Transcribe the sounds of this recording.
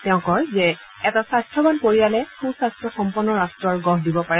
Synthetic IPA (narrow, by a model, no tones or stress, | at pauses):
tɛʊ̃kɔɹzɛ | ɛtasastʰɹɔbanpoɹijalɛkʰusastʰɹɔxɔmpɔnːɔɹastɹɔɹɡɔɦdibɔpaɹɛ